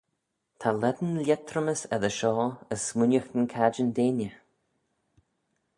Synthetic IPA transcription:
t̪ʰalɛd̪ənlʲɛt̪ʰɾəməsɛ̰ðəʃɔːəsːmʊnʲjəxt̪ənkʰad͡ʒənd̪eːnjə

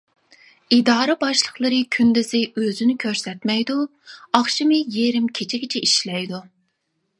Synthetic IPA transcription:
id̪ɑːɾɨbɑʃlˠəχlˠəɾɨkʲʰynd̪ɪzɪøzynykʲʰøɾsɛt̪mɛjd̪u | ɑχʃɨmɨjeɾɪmkʲʰet͡ʃʰiɡʲɪt͡ʃʰɛiʃlɛjd̪u

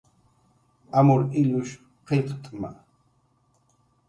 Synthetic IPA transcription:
amʊɾɪʎʊʃ | qʰeqt̪ʼma̰

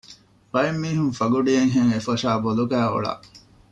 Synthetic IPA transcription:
bɐimːiːɦuŋfɐɡuɖijeŋɦeŋefɐʃaːboluɡæːo̰ɭa̰ʔ

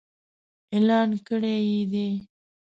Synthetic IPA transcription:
elɑːnkəɽejid̪e

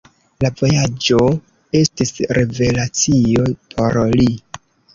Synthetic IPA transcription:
lavo̞jad͡ʒo̞ | e̞stisɾe̞ve̞lat͡sio̞pʰo̞ɾli

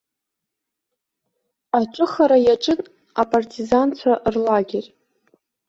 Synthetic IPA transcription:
at͡ʃʷʼʊχaɾajaʈ͡ʂʼɨn | apʼartʼizant͡ɕʷʰaʔrlaɡʲerʲ

